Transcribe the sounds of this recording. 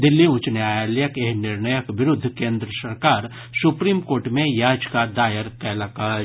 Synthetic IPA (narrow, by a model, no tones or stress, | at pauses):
d̪ɪlːiʊ̃t͡ʃnaːjaːljəkeɦnɪɾnəjəkʋɪɾʊd̪ʱːkẽːnd̪ɾəsɐɾkaːɾ | sʊpɾiːmkoːɾʈmẽjaːd͡ʒkad̪aːjəɾkɛːlaka